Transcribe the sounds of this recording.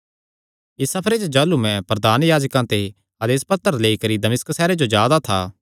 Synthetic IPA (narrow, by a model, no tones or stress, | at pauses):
ɪsɐpʰɾet͡ʃd͡ʒaːlumɛ̃pɾɐd̪ʱaːnjaːd͡ʒkãt̪e | ɐd̪eːspɐt̪ːəɾleikɐɾid̪ɐmɪsksɛːɾed͡ʒod͡ʒjaːd̪at̪ʰaː